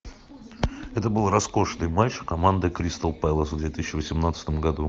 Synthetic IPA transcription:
ɛt̪əbɨlˠrɐsko̞ʂnɨjmaʂkɐmand̪əkɾʲist̪əlˠpajlˠəsvd̪vʲet̪ɨsʲɕɪvəsʲɪmnat̪sə̥t̪əmɡɐd̪u

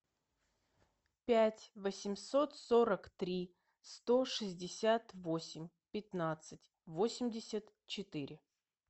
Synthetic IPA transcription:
pʲætʲvəsʲɪmso̞t̪so̞ɾəkt̪ɾʲi | st̪o̞ʂɨzʲdʲɪsʲat̪vo̞sʲɪmʲ | pʲɪt̪nat̪sɨtʲ | vosʲɪmʲdʲɪsʲət̪ | t͡ɕɪt̪ɨɾʲɪ

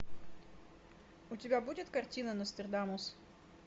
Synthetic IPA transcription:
ʊt̪ʲibʲæbuːt̪ʲɪt̪kɐɾʲt̪ʲiːnɐnʊsʲt̪ʲɛɾd̪ɑmos

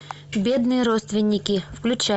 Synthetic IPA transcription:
bʲed̪nɨjəɾot̪st̪vʲɪnʲːɪkʲɪfklʲʉt͡ɕæ

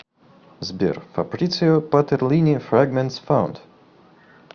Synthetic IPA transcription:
zbʲḭrfa̰pɾʲit̪sɨjopat̪ɛɾlʲinʲifɾaɡmɛ̃nt̪sfãʊ̃nd̪̥

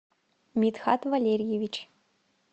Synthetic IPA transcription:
mʲit̪xa̰t̪vɐlʲeɾʲjevʲit͡ʃʰ

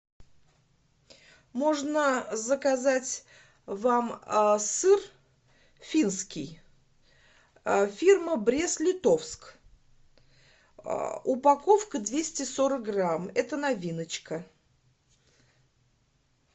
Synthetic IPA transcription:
mo̞ʐnəzəkazatʲ | vamsɨr | fʲinskʲɪj | fʲirməbɾʲe̞slʲɪt̪o̞fsk | ʊpɐko̞fkəd̪vʲesʲtʲɪso̞ɾək̚ɡramɛt̪ənɐvʲinət͡ɕkə

